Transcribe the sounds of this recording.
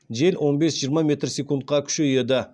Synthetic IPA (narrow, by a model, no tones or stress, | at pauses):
ʒe̞lʲwʔo̞nbesʒijəɾmɑmʲe̞t̪rsʲe̞kunt̪̚qɑkʲʰʏ̥ʃejed̪ɪ